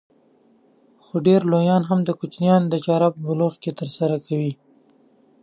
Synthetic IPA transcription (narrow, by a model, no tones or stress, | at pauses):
xoɖeɾlojɑnɦamd̪əkʊt͡ʃnjɑnd̪əd͡ʒaɾabbʊloxket̪əɾsaɾakʰawi